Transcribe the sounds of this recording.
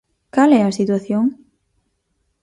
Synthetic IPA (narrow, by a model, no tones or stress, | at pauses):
kalɛɐsit̪waθjoŋ